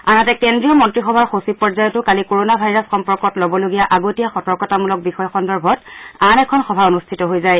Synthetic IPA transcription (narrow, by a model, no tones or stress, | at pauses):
anatɛkɛndɹijɔmɔntɹixɔbʱaɹxosipɔɹzajɔtʊkalikoɹonabʱajɹasxɔmpɔɹkɔtlɔbɔloɡijaʔaɡotijaxɔtɔkɔtamulɔk̚bixɔjɔxɔndɔɹbʱɔtanɛkʰɔnxɔbʱaonustʰitɔɦojzaj